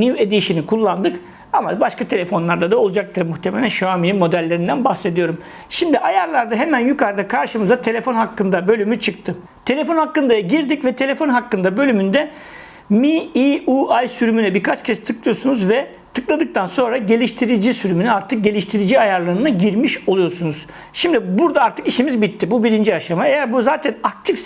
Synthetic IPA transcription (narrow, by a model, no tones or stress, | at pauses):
nived̪iiʃinikʰulˠːand̪ɯk | amabaʃkʰat̪ʰe̞lʲe̞fo̞nlˠaɾd̪ad̪ao̞lˠud͡ʒak̚t̪ʰɯɾmuxt̪ʰe̞melʲænʃoamininmo̞d̪ælʲːeɾind̪ænbaxse̞d̪ijo̞ɾum | ʃimd̪iʔajaɾlˠaɾd̪aɦe̞mænjykaɾd̪akʰaɾʃɯmɯzd̪at̪ʰe̞lʲe̞fo̞nɦakːɯnd̪abø̞lʲymyt͡ʃʰɯk̚t̪ʰɯ | t̪ʰe̞lʲe̞fo̞nhakːɯnd̪ajaɟiɾd̪icvɛt̪ʰe̞lʲe̞fo̞nɦakːɯnd̪abø̞lʲymynd̪ɛ | miiuajsyɾymynɛbiɾkʰat͡ʃcʰɛst̪ʰɯklˠɯjo̞ɾsunuzvɛ | t̪ʰɯklˠad̪ɯk̚t̪ʰanso̞nɾaɟe̞lʲiʃt̪ʰiɾid͡ʒisyɾymynɛaɾt̪ʰɯk̚ɟe̞lʲiʃt̪ʰiɾid͡ʒiajaɾlˠaɾɯnaɟiɾmiʃo̞lˠujo̞ɾsunuz̥ | ʃimd̪ibuɾd̪aaɾt̪ʰɯkiʃimizbit̪ʰːibubiɾind͡ʒiaʃamaejæɾbuzaːt̪ʰænak̚t̪ʰif